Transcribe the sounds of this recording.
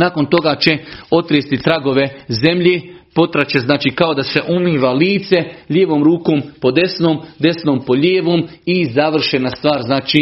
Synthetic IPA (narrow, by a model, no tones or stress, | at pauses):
naːko̞nt̪o̞ɡaːt͡ʃe̞o̞t̪ɾest̪it̪ɾaɡo̞ʋe̞ze̞mʎeːpo̞t̪ɾat͡ʃeznaːt͡ʃiːkao̞d̪ase̞ʔumiːʋaliːt̪se̞ʎeːʋoːmɾuːkoːmpo̞d̪e̞snoːmd̪e̞snoːmpo̞ʎeːʋoːmizaʋr̩ʃenast̪ʋaːɾznaːt͡ʃiː